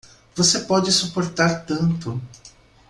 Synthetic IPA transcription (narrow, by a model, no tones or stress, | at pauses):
vosepɔd͡ʒɪsupoɾt̪aɾt̪ɐ̃nt̪ʊ